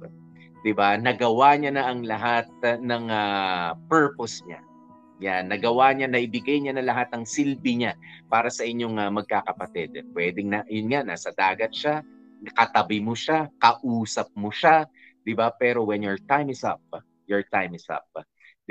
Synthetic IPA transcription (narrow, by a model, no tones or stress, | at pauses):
d̪ɪbanɐɡɐwaɲanɐʔɐŋlɐɦat̪̚nɐŋɐpɛɹposɲa̰ | janːɐɡɐwaɲanɐʔɪbɪɡajɲanɐlɐɦat̪̚ɐŋsilbɪɲapaːɾɐsɐʔɪɲːo̞ŋɐmɐɡ̚kakɐpɐt̪ɛd̪̚pwɛd̪ɪŋnɐjʊnŋaʔnaːsɐd̪aːɡɐt̪̚ʃa | kɐt̪ɐbɪmoʃakɐʔuːsɐp̚moʃa | d̪̥ɪbapɛːɾowɛnjoɹt̪ajmɪsɐ̰p̚ | joɹt̪ajmɪsɐ̰p̪̚